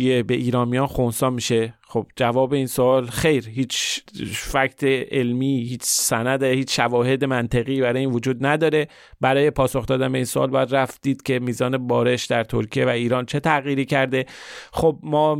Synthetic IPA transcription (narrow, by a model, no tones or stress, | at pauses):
iebe̞ʔiːɾɒːnmijɒːnxonsɒːmiːʃe̞xob̥̚d͡ʒævɒːbe̞iːnsoɒːlxe̞jɾhiːt͡ʃʰ | fækt̪ʰeelmiːhiːt͡ʃʰsænæd̪ehiːt͡ʃʃævɒːhe̞d̪emænt̪ʰeɣiːbæɾɒːjiːnvod͡ʒuːd̪næd̪ɒːɾe̞ | bæɾɒːje̞pʰɒːso̞xd̪ɒːd̪ænbe̞iːnsoʔɒ̰ːlbɒjæd̪ɾæfd̪̥iːd̪̥cʰʲe̞miːzɒːne̞bɒːɾe̞ʃd̪æɾt̪ʰoɾkʰijevæiːɾɒːnt͡ʃʰe̞t̪ʰæɣjiːɾiːcʰæɾd̪e̞xob̚mɒː